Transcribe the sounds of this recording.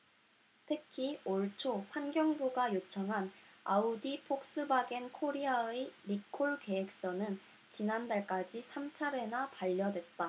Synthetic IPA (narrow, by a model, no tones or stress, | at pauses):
tʰɯkʰioɭt͡ɕʰoɸwanɡjʌŋbuɡajot͡ɕʰʌŋɦanaudipʰok̚s͈ɯbaɡenkʰoɾiaeɾikʰoɭke̞ek̚s͈ʌnɯn | t͡ɕinandaɭk͈ad͡ʑisʰamt͡ɕʰaɾe̞napaʎːʌdwe̞t̚t͈a